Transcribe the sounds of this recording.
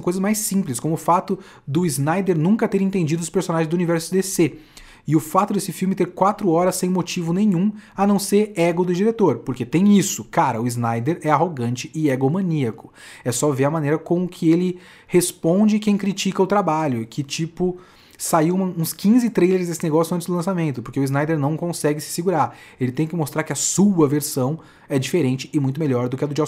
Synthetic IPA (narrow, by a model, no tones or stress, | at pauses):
w̃kojzɐzmajsĩmplɪskõmʊːfat̪ʊ | d̪ʊiznajd̪eɾnũŋkɐt̪eɾẽnt̪ẽd͡ʒid̪ʊspeɾsonaʒẽzd̪ʊunivɛɾsʊd̪ese | ɪʊfat̪ʊd̪esɪfiwmɪt̪eɾkwat̪ɾʊɔɾɐsːẽj̃mot͡ʃivʊnẽjɲ̃ũɐnɐ̃w̃seɾɛɡʊd̪ʊd͡ʒiɾet̪oɾpoɾket̪ẽj̃isʊkaɾɐʊiznajd̪eɾɛaɦoɡɐ̃nt͡ʃɪɪɛɡʊmɐ̃niɐkʊ̥ | ɛsɔveɾɐmɐ̃neɾɐkõmʊʊkʰɪelɪ | hespõnd͡ʒɪkẽj̃kɾit͡ʃikɐʊt̪ɾabaʎʊkʰɪt͡ʃipʊ | saiũmɐũskĩzɪt̪ɾejleɾzd̪esɪneɡɔsjʊɐ̃nt͡ʃɪzd̪ʊlɐ̃samẽnt̪ʊpoɾkeʊiznajd̪eɾnɐ̃w̃kõsɛɡɪsɪ̥sɪɡuɾaɾelɪt̪ẽj̃kɪmost̪ɾaɾkɪɐsuɐveɾsɐ̃w̃ | ɛd͡ʒifeɾẽnt͡ʃɪɪmũt̪ʊmeʎɔɾd̪ʊkɪɐd̪ʊd͡ʒɔ